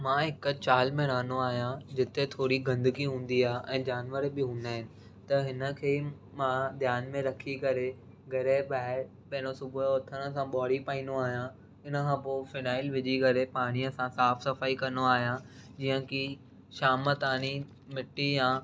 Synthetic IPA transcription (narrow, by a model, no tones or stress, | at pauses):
mãːɦɪkt͡ɕaːlmẽɾɐɦənoaːɦijãd͡ʑɪt̪et̪ʰoːɾiɡɐ̃nd̪əɡiɦũːn̆d̪iaːɦeʔɛ̃ːd͡ʑaːnʋəɾbɪɦũːnd̪aːɦɪnɪ̆ | t̪ɐɦɪnə̆kʰeː | mãːd̪jaːnmẽɾɐkʰikɐɾe | ɡʱɐɾeɓaːɦɪɾ | ɓɐɦɪ̃nosʊbʊt̪ʰəɽ̃ə̆sãɓɔːɽipaːĩːnd̪oaːɦjã | ɪnəkʰãːpoːfɪnaːɪlʋɪd͡ʑiɡɐɾepaːɽ̃ijəsãsaːfsɐfaːikɐɾnoaːɦjãd͡ʑiːə̃ki | ʃaːmət̪aːñi | mɪʈːijãː